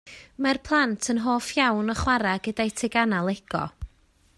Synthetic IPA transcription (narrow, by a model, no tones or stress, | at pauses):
marpʰlˠantʰənɦoːfjawnɔχwaɾaɡ̥ədajtʰɪɡanalˠɛɡ̥ɔ̰